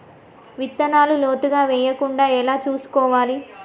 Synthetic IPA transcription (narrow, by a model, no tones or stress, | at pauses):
ʋit̪ːɐnaːluloːt̪uɡaːʋɛːjɐkuɳɖaːɛlaːt͡ʃuːsu̥kɔːʋaːli